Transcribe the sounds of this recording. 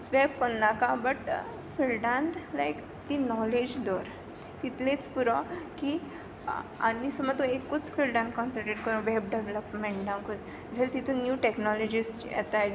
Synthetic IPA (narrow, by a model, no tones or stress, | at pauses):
sʋeb̚kɔɳnːakãbəʈ | filɖãnt̪lajk | t̪inɔled͡ʑd̪ɔɾ | t̪it̪lẽt͡spuɾɔki | anisɔmɔt̪ũekːut͡sfilɖãnt̪̚kɔ̃nsəɾʈeʈ̚kɔɾũʋɛb̚ɖeʋləpmẽɳʈd̪ãnku | d͡zʱelt̪it̪ũnjuʈeknɔlɔd͡ʑisjɛ̰t̪aj